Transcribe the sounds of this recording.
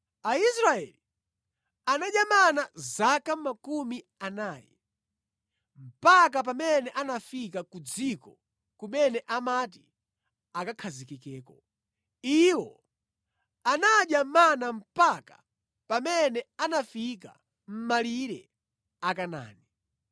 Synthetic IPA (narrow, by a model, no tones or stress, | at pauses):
aisɾaɛ̰li | anaɗjamanazakamakumi | anaːjɛ̰ | m̩pak̬ap̬amɛnɛʔanafikakud͡zikɔ | kumɛnɛʔamat̬i | akakʰazikikɛːkɔ | iwɔ | anaɗjamanam̩pakḁ | pamɛnɛanafika̰ | m̩maliɾɛ̰ | akana̰ːni